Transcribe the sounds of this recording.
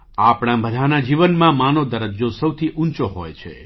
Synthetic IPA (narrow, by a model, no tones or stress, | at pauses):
apɽ̃ãbəd̪ʱanad͡ʒiʋənmãmanod̪əɾəd͡ʒosəwt̪ʰiʔũnt͡ʃoɦojt͡ʃʰḛ